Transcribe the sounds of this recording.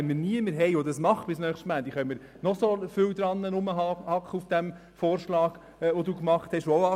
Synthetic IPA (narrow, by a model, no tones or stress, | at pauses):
nmiɾniəməɾɦɛjod̪ɑsmɑχb̥ɪsnœːχʃtmæːd̪iχœʏməɾ | nɔsɔfʏwd̪ɾɑnːənʊməhɑkχəufd̥æm | fɔːɾʃlɑːɡ̥ | ʋod̪uːkmɑχt̪hɛʃooʊɑ